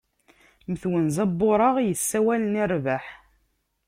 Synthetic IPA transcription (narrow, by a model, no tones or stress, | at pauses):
məθwənzɑbːʊɾˤɑʁjəsːæwælənirvaħ